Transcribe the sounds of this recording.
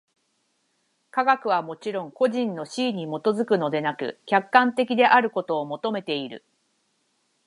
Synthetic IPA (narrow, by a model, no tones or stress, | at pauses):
kaɡakɯ̟β̞amo̞t͡ɕiɾõ̞ŋko̞ʑĩnːo̞ɕiːɲ̟imo̞t̪o̞zɨkɯ̟no̞d̪e̞nakɯ̟̰kʲakːãnt̪e̞kʲid̪e̞ʔaɾɯ̟ko̞t̪o̞ːmo̞t̪o̞me̞t̪e̞iɾɯ̟̰